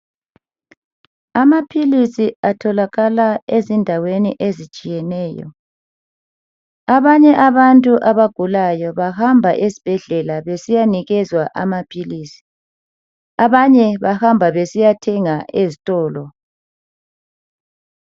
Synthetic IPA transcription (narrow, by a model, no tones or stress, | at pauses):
amapʰilisiatʰɔlaɣalaezindʱawenḭʔezit͡ʃʼijɛnɛːjɔ̰ | aβaɲɛʔaβantʼuʔaβaɡ̥ʱulajɔβahambʱaʔesib̥ʱɛɮɛlaβesijaniɣɛzwaʔa̰mapʰiliːsi̥ | aβaɲɛβahambʱaβesijatʰɛŋaʔezitʼɔːlɔ